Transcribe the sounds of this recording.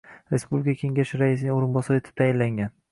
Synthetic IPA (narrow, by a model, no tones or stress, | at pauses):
ɾespublʲɪkʰakʲʰe̞ŋɡʲaʃɪɾaɪs̬ɪnɪŋoɾɪnbɒsɒɾɪe̞t̪ʰɪ̥p̚t̪ʰajɪnlaŋɡʲan